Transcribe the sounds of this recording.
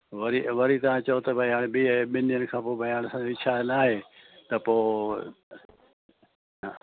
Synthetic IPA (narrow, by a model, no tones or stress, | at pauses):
ʋɐɾiʋɐɾit̪ɐʋãːt͡ʃɐot̪ɐbʱəaːɽ̃biːɓɪnijənɪkʰãːpoːbʱɐiaːnsãːd͡ʑɪt͡ʃʰaːnaːɦeːt̪ɐpoː | ɦː